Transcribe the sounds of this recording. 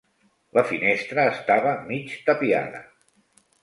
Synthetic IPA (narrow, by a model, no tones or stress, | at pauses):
ləfinest̪ɾəːst̪aβəmit͡ʃt̪əpia̰ðə̰